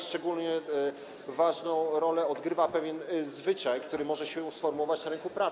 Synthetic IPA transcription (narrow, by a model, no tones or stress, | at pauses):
ʂt͡ʂɛɡulɲɛ | vaʐnɔ̃w̃ɾɔlɛɔd̪ɡɾɘvapɛvʲjɛnzvɘt͡ʂajkt̪uɾɘmɔʐɛɕɛsfɔɾmuwɔvat͡ɕnaɾɛŋkupɾa